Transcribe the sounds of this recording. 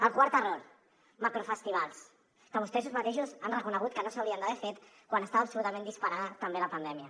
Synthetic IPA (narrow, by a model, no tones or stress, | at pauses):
əlˠkwaɾt̪əroɾ | makɾofəst̪iβ̞alˠs | kəβust̪ɛs̬uzmat̪eʃuzanrəkunəɣ̞ut̪̚kənosawɾiənd̪aβɛɾfet̪kwanəst̪aβəːpsulut̪əmẽnd̪ispaɾaðət̪əmbeləpənd̪ɛmiə